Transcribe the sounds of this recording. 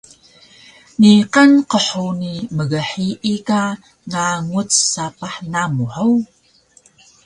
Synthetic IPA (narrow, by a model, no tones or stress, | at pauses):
niqanqəħuniməɣəħiʔika | ŋaŋut͡ssapaħnamuħəw